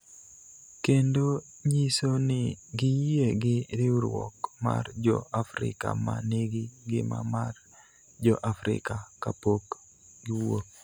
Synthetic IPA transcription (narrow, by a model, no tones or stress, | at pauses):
kendoɲisonɪɡɪjieɡɪɾɪuɾwɔ̰kma̰rd͡ʒɔ̰afɾɪ̰ka̰maneɡiɡɪma̰mar | d͡ʒɔʔafɾɪ̰kakapok | ɡɪwo